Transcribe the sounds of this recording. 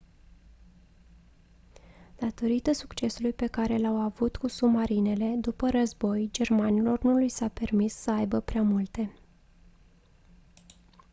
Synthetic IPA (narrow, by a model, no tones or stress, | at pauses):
d̪̥at̪o̞ɾit̪əsukt͡ʃe̞sulujpe̞kaɾe̞lawavut̪kusumaɾine̞le̞d̪upəɾəzbo̞jd͡ʒe̞rmanilo̞rnulujsape̞rmisːəajbəpɾeamult̪e̞